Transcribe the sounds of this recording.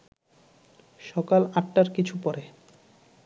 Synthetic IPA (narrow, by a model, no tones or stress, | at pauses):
ʃɔkalaʈːaɾkit͡ɕʰupɔɾe